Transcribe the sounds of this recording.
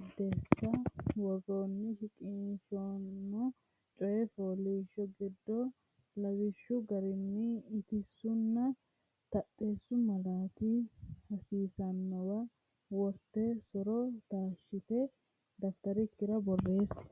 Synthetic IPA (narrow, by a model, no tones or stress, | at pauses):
d̪eːsːɐwɔɡoːnːɪʃɪkʼɪʃonmːɔ | t͡ʃʼɔjɛfoːliːʃɔɡɪd̪ːɔ | lɐwɪʃːʊɡɐɾɪnːɪːt̪ɪsʊnːɐ | t̪ɐtʼːeːsːʊmɐlaːt̪ihɐsiːsɐnːɔwɐ | wɔɾt̪ːɛsɔɾɔt̪aːʃːɪt̪ɛ | d̪ɐft̪ɐɾɪkːɪɾɐbɔrːe̞ːs